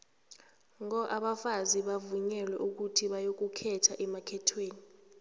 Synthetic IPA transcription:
ŋɔʔaɓafaziɓavuɲɛlwɛʔuk̬utʰiɓajok̬ukʰɛtʰaʔɛmakʰɛtʰweːni

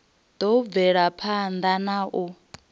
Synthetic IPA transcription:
d̪ɔb̪vɛɺapʰand̪anaʔu

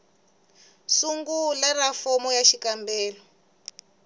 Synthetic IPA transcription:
suŋɡularafɔmɔjaʃikambɛːlɔ

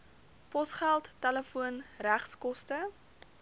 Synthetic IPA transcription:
pɔsχælˠtːɛləfuənræχskɔstə

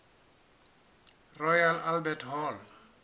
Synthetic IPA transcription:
rɔjalʔalbɛtʰɦɔl

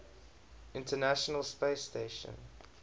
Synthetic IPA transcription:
ɪ̃ntʰənæʃənəlspeɪsteʃə̰̃n

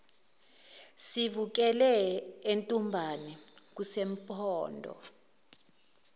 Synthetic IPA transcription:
sivuk̬ɛlɛentʼumbʱanik̬usem̩pʰʼɔːndʱɔ̰

